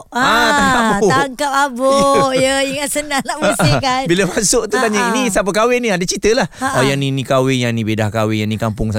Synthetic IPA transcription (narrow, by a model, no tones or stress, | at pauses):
aaŋabt̪aŋkap̚abojəiŋaʔsənãŋnaʔməsʔəikanbiləmasʊʔt̪ut̪aɲainisap̬əkawɛnĩadət͡ʃit̪əlahojaŋninĩkawɪŋjaŋnĩbedahkawɪjaŋnĩkampʊŋsa